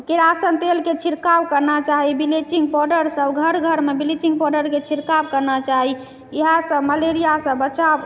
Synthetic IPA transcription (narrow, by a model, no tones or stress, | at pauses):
keɾasənt̪elket͡ʃʰiɾkabkəɾnat͡ʃaɦibilet͡ʃiŋɡ̚pɔɖəɾsəbɡʱəɾɡʱəɾmebilit͡ʃiŋɡ̚pɔɖəɾket͡ʃʰiɾkabkəɾnat͡ʃaɦi | iɦãsəməleɾijasə̃bət͡ʃab